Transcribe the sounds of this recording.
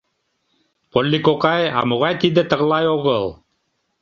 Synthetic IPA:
polʲːikokɑjɑ̰moʁɑjt̪id̪ɘ̆t̪ɤ̆ʁlˠɑjoʁɤlˠ

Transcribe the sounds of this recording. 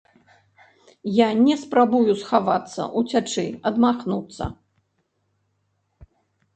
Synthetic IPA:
janʲɛspɾabujusxavat̪sːɐ̰ʔut͡sʲat͡ʂɨ̰ɐd̪maxnut̪sːɐ̰

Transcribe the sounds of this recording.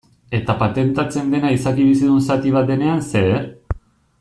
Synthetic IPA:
e̞t̪apat̪e̞nt̪at͡se̞nd̪e̞naisakiβ̞isiðunsat̪iβ̞at̪̚d̪e̞ne̞ansee

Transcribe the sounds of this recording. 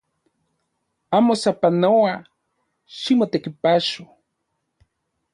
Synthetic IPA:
amosapanoa | ʃimot̪ekipaʃo

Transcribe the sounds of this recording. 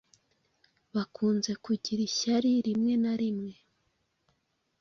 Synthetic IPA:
βakʰuːnze̞kuɟiɾiçaɾiɾimŋe̞naɾimŋe̞

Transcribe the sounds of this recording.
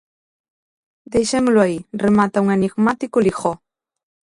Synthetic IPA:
d̪ejʃemʊlʊairemat̪auŋeniɣmat̪ikʊlixɔ

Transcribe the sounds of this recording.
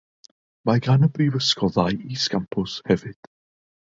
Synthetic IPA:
majɡanəbɾivəskɔðajʔiskampʰʊshɛvɪd̥

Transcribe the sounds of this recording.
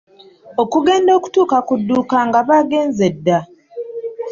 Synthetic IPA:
o̞kuɡe̞ːndo̞ːku̥tuːkakudːuːkaŋɡaβaːɡe̞ːnze̞dːa

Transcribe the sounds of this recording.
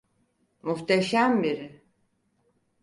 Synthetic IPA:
muht̪ʰeʃæmbiɾɪ

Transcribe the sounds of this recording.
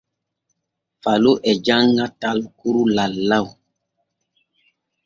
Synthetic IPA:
faloʔɛd͡ʒaŋɡatalkuɾulalːaw

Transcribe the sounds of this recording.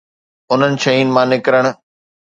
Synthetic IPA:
ʊn̤ənɪ̆ʃɐiːnɪ̆mãːnɪkɾəɽ̃ʊ̆

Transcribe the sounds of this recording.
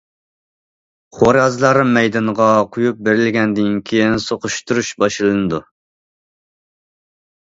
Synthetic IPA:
χoɾɑzɨlˠɑɾmɛjd̪ɑnʁɑqʰʊjup̚beɾɪlɡʲɛnd̪ɪnkʲʰejɪnsoqʊʃt̪uɾuʃbɑʃlˠɨnɨd̪u

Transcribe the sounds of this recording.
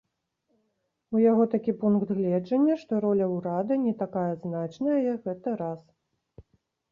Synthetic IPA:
ujaɣɔt̪akʲipunkt̪ɣlʲɛd͡ʐɐnʲːɐʂt̪ɔɾɔlʲɐwɾad̪ɨnʲɛt̪akajɐznat͡ʂnɐjɐjɐkɣɛt̪ɐɾas

